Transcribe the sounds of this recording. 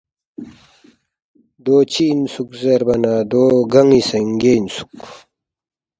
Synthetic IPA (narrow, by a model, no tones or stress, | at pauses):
d̪oːt͡ɕʰinsukzɐɾbɐnaːd̪oːɡɐŋisɐŋɡensu̥k